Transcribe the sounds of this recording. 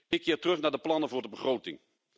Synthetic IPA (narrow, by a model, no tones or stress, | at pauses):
ɪkʰːɪːtərɵχnaːɹdəplɑnəvʊːɹdəbəχrowtɪŋ